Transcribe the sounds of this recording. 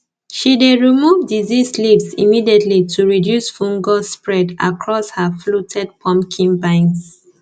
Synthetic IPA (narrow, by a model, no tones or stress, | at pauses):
ʃideɹimuvdizislivsimidiɛtʰlitʰuɹidjusfũŋɡɔspɹɛda̰kʰɹɔshaflutʰɛd̚pʰɔ̃mpkʰĩnbãɪ̃ns